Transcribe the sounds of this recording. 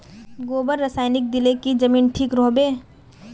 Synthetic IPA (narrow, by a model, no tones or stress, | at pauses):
ɡoːbəɾːəsaːɪnɪk̚d̪ɪlekid͡ʒɐmiːnʈʰiːkɾoːbeː